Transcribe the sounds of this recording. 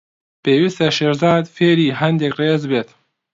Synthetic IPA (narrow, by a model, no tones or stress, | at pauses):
peːwist̪ɛʃeːʃzɑːd̪feːɾiːɦɛnd̪ɛkreːzbeːt̪